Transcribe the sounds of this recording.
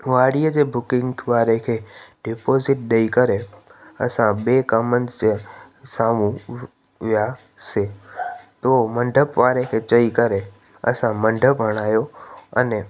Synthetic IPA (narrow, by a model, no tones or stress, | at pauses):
ʋaːɽiəd͡ʑeːbʊkɪ̃ŋɡʋaːɾekʰeːɖɪpoːzɪʈ̚ɗɐikɐɾeɐ̰sãɓeːkɐmənɪ̆sd͡ʑ | saːmũ | ʋija | seːt̪oːmɐ̃ɳɖʱəpʋaːɾekʰeːt͡ɕɐikɐɾe | ɐ̰sãmɐ̃ɳɖʱəpɦɐɽ̃aːjoɐnɛ